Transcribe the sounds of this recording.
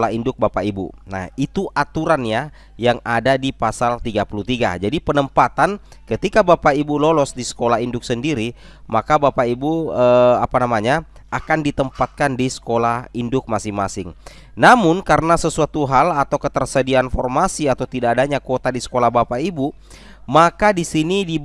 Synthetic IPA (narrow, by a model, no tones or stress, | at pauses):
laindʊk̚bapaibṵna̰hit̪uʔat̪uɾanja | jaŋadadipasalt̪iɡapulut̪iɡa̰d͡ʒadipənəmpat̪ankət̪ikabapaibulolɔsdisə̥kolaɦindʊk̚səndiɾi | makabapaibuəapanamaɲa | ʔakandit̪əmpat̪̚kandisə̥kolahindʊk̚masɪŋmasɪŋ | namʊnkaɾənasəsuat̪uɦalat̪awkət̪ərsədianfɔrmasiat̪awt̪idaːdaɲakot̪adisə̥kolahbapaibu | makadisinidi